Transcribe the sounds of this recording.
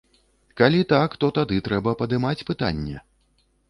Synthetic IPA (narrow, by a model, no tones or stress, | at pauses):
kalʲit̪akt̪ɔt̪ad̪ɨt̪ɾɛbɐpɐd̪ɨmat͡sʲpɨt̪a̰nʲːɛ̰